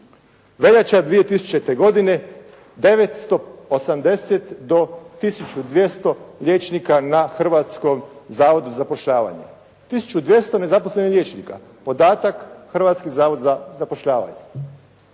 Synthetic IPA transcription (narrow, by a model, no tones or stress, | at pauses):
ʋe̞ʎat͡ʃad̪ʋije̞t̪isu̥t͡ʃe̞t̪eɡo̞d̪ine̞ | d̪e̞ʋet̪st̪o̞osamd̪e̞set̪d̪o̞t̪isut͡ʃud̪ʋje̞st̪o̞ʎʲe̞ːt͡ʃnikanaxr̩ʋaːt̪sko̞mzaːʋo̞d̪uzazapo̞ʃʎaːʋa̰ɲḛ | t̪isu̥t͡ʃud̪ʋje̞st̪o̞ne̞zapo̞sle̞nihʎʲje̞ːt͡ʃniːka̰ | po̞d̪aːt̪akxr̩ʋat̪skizaːʋo̞d̪zazapo̞ʃʎaːʋa̰ɲe